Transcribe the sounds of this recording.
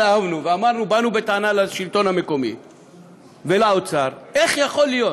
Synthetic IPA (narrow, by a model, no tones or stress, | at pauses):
aavnuveamaʁnubanubet̪aanalaʃilt̪o̞nhame̞ko̞mḭ | velaot͡saʁe̞χjaχo̞lːijot